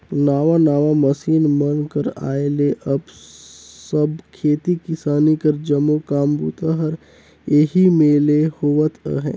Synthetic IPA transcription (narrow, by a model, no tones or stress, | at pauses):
naːʋanaːʋaməsiːnmənkəɾa̰ːeleʔəb | səbkʰeːt̪ikɪsaːnikəɾd͡ʒəmokaːmbṵːt̪aɦəɾ | jeɦimẽːlehoːʋət̪ʰə̰ɦɛ̰̃ː